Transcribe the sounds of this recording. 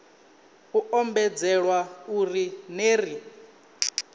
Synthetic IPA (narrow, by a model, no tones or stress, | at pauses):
uɔmbɛd͡zɛɺwaurineːri